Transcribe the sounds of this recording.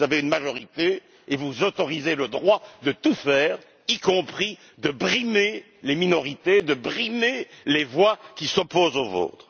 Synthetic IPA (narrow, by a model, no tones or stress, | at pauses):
zaveynmaʒɔʁit̪eː | vuzot̪ɔʁizeləd̪ʁwad̪ət̪ufɛːʁ | ikɔ̃pχi | d̪əbʁime | leminɔʁit̪ed̪əbʁimelevwakʲisɔpozovo̰ːt̪χ